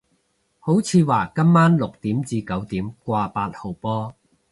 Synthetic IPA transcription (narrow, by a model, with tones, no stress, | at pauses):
ho˨˥wt͡sʰiː˨˧waː˨˩kɐ˥mːaː˥nlʊ˨k̚t̪iː˨˥mt͡siː˧kɐ˨˥wt̪iː˨˥mkʷaː˧paː˧t̚ho˨˩wpɔː˥